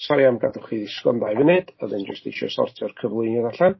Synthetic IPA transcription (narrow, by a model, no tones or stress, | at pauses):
sɔɾiamɡadʊχiðɪskɔ̰mbajvɛnɨd̥əðɨnd͡ʒəstejʃɔ̰sɔ̰rtʰɔrkʰəvlˠʊɨnɔðaɬan